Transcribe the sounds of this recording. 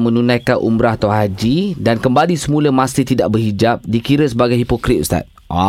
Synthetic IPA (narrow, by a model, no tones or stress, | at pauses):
mə̃nũnãjkanʔṵmbɾahat̪awɦad͡ʒidankəmbalisəmũləmãsit̪idaʔbərɦid͡ʒap̚dikiɾəsəbaɡajɦipokɾit̪̚ust̪a̰t̪̚ | a̰